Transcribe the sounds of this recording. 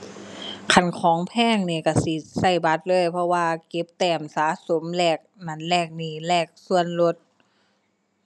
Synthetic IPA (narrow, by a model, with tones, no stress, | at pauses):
kʰa˧˩nkʰɔː˨˦ŋpʰɛː˧˥˨ŋniː˧˩ka˧˩si˧˦sa˧˩jba˧˦t̪̚lɤː˧˥˨jpʰɔ˧waː˧ke˧˦p̚t̪ɛː˧˩msaː˨˦so˨˦mlɛː˧˩k̚na˧˩˨nlɛː˧˩k̚niː˧˩lɛː˧˩k̚su˧ənlo˧˦t̪̚